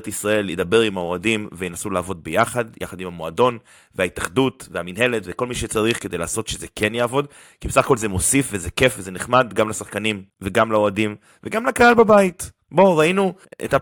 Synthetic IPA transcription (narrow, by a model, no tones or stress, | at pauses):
tisʁae̞ljedabe̞ʁimhao̞adimvejnasulaːvo̞d̪̚bejaχadjʔa̰χadimamo̞ado̞n | veaitaχd̪utveaminɦe̞letveko̞lmiʃet͡saʁiχkedejlaːso̞tʃezeke̞njaːvo̞d̪ | kibesaχako̞lzemo̞sifvezeke̞fvezeneχmad̪ɡamlasaχkanimveɡamlaoadim | veɡamlakahalbabait | bo̞ʁainuḛta